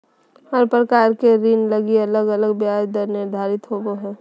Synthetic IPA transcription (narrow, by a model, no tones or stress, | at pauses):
ɔɾpɾəkaːɾkeɾinləɡiɐləɡələɡbjaːd͡ʒd̪əɾnɪɾd̪ʱaːɾɪt̪ɦoboɦɛː